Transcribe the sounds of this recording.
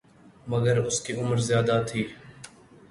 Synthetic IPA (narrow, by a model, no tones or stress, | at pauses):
mɐɡəɾʊskiʊməɾzjaːd̪at̪ʰiː